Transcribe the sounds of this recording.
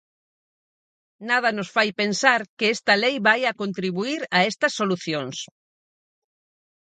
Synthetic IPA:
nað̞ɐnosfajpensaɾkɪɛst̪ɐlejβajɐkont̪ɾiβuiɾɐɛst̪ɐsːoluθjoŋs

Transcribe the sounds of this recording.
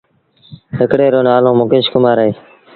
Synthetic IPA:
ɦɪkɽeːɾoːnaːlõːmokɪ̃ːʃkʊmaːɾɦeː

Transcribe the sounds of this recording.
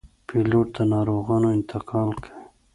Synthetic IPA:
pʰiloʈ̚d̪anɑɾoɣɑːnoɪnt̪ɪkʰɑːlkʰai

